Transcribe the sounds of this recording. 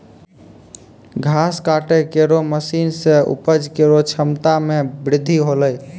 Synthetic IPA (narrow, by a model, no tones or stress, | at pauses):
ɡʱaskaʈəkeɾoməsinsẽṵpəd͡ʒkeɾot͡ʃʰəmt̪amebɾɪd̪ʱːiɦoləj